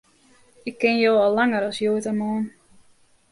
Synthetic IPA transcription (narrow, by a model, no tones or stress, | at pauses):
ɪkːɪnjoːɔlˠːaŋəɾɔsjoətamoːn